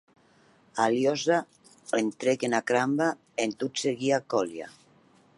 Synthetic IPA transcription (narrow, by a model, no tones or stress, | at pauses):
aljɔza | ent̪ɾekenakɾamba | ent̪utseɣiakɔlja̰